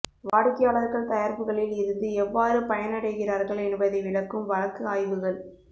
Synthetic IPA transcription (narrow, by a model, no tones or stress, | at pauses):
ʋaːɽɯkːɐjaːɭɐɾɣɐɭt̪ɐjɐɾbɯɣɐɭɪlɪɾɯnd̪ɯɛʋːaːɾɯpɐjɐnɐɽɐɪɣɪraːɾɣɐɭɛnbɐðɐɪʋɪɭɐkːɯmʋɐɻɐkːɯaːjʋɯɣɐɭ